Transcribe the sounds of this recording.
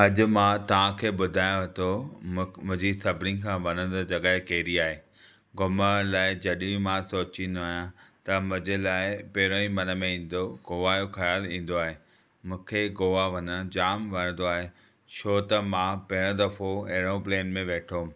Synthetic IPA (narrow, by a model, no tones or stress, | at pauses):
ɐʄʊ̆mãt̪ɐʋ̤ãkʰeːɓʊd̪ʱaːjõɐt̪o | mʊ̃ɦɲd͡ʑisɐbʱnĩkʰãːʋɐnə̃nd̪d͡ʑɐɠaɦɪkeːɾiaːɦeː | ɡʊməlaːɪd͡ʑɐɗĩmãsoːt͡ɕĩːn̆d̪aːɦjãt̪ɐmʊ̃d͡ʑelaːɪpeɾoĩmɐnə̆mẽĩːn̆d̪oɡoːʋaːjoxɐjaːlĩːn̆d̪oaːɦeː | mũːkʰeɡoːʋaʋɐnəd͡ʑaːmʋɐnə̃nd̪oaːɦe | t͡ɕʰoːt̪ɐmãpɐɦɪɽ̃ʊ̃d̪ɐfoɐɦɪɽ̃õpleːnmẽʋeːʈʰo